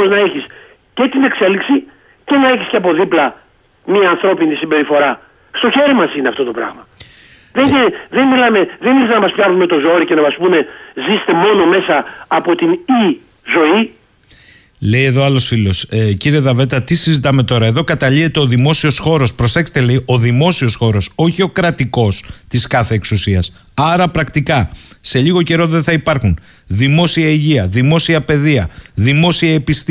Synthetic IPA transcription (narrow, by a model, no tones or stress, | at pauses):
oznɐeçis | ce̞t̪ine̞kse̞liksi | ce̞nɐe̞çisceɐpo̞ðiplɐ | miɐːnθɾo̞pinisimbe̞ɾifo̞ɾɐ | st̪o̞çe̞ɾimɐsineɐft̪o̞t̪o̞pɾɐ̰ɣmɐ | ðeðenmilɐme̞ðeniesnɐmɐspçɐvnume̞t̪o̞zo̞ɾice̞nɐmɐspune̞zise̥t̪e̞mo̞no̞me̞sɐːpo̞t̪ini | zo̞i | le̞je̞ðoɐlo̞sfilo̞sciɾie̞ðɐve̞t̪ɐt̪isizit̪ɐme̞t̪o̞ɾɐe̞ðo̞kɐt̪ɐʎiθe̞t̪e̞o̞ðimo̞sio̞sxo̞ɾo̞spɾo̞se̞kse̥t̪ele̞io̞ðimo̞sio̞sxo̞ɾo̞so̞çio̞kɾɐt̪iko̞st̪iskɐθe̞ːksusiɐs | ɐɾɐpɾɐkt̪ikɐse̞ʎiɣo̞ce̞ɾo̞ðeθɐipɐɾxun | ðimo̞siɐiʝiɐðimo̞siɐpe̞ðiɐðimo̞siɐepist̪